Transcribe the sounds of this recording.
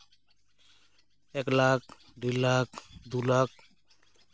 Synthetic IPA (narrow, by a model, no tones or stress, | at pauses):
eklak̚ | ɖilak̚ʰd̪ulak̚ʰ